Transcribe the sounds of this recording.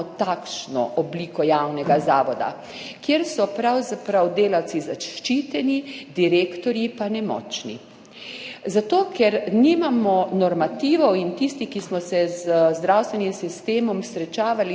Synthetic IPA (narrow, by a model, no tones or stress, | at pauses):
ɔt̪akʃnɔ̰ʔɔbliːkɔjawnɛɡazaːʋɔd̪a̰ | kjeɾsɔpɾawzapɾawd̪eːlawt̪sizaʃt͡ʃiːt̪ɛnid̪iɾeːkt̪ɔɾjipanɛmɔ̰ːt͡ʃnḭ | zat̪oːkʰɛɾniːmamɔnɔɾmat̪iːʋɔwint̪ist̪ixkismɔsɛzəzd̪ɾawst̪ʋɛnimsist̪eːmɔmsɾɛt͡ʃaːʋali